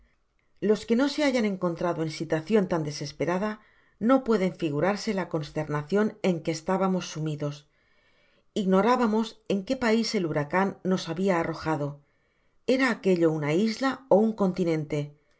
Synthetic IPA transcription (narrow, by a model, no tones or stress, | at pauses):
lo̞ske̞no̞se̞aʝane̞ŋko̞nt̪ɾaðo̞e̞nsit̪waθjo̞nt̪and̪e̞se̞spe̞ɾaða | no̞pwe̞ð̞e̞ɱfiɣ̞uɾaɾse̞lako̞nst̪e̞ɾnaθjo̞ne̞ŋke̞ːst̪aβamo̞sːumiðo̞s | iɣno̞ɾaβamo̞se̞ŋke̞paise̞luɾakanːo̞saβiaːro̞xaðo̞ | e̞ɾaːke̞ʎo̞unaizlaouŋko̞nt̪inẽ̞nt̪e̞